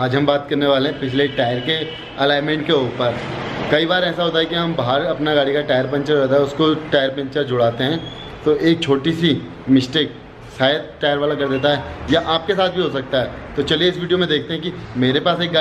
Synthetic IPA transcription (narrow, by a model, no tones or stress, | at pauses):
aːd͡ʒɦɐ̃mbaːt̪kɐɾneʋaːleɦɛ̃pɪt͡ʃʰleʈaːjəɾke | ɐlaːɪmɛ̃ɳʈ̚keuːpəɾkɐibaːɾɛːsaɦoːt̪aɦɛkiɦɐmbɐːɦəɾɐpnaɡaːɽikaʈaːjəɾpɛ̃nt͡ʃəɾɾɛɦt̪aɦɛʊskoʈaːjəɾpɛ̃nt͡ʃəɾd͡ʒʊɽaːt̪eɦɛ̃ː | t̪oʔeːk̚t͡ʃʰoːʈisi | mɪsʈeːk̚ | saːjəd̪̚ʈaːjəɾʋaːlakɐɾd̪eːt̪̬aɦɛjaʔaːp̚kesaːt̪̚ʰbʱiɦoːsɐk̚t̪aɦɛːt̪ot͡ʃɐlieɪsʋiːɖijomẽd̪eːk̚ʰt̪eɦɛ̃kimeːɾepaːseːk̚ɡa